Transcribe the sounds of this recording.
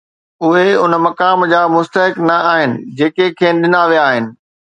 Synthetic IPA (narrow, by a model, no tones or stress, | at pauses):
ʊɦeʊnəmɐkaːmd͡ʑaːmʊst̪əɦɪknɐaːɦɪnɪ̰̆d͡ʑeːkekʰẽːnɗɪnaːʋijaːɦɪnɪ̆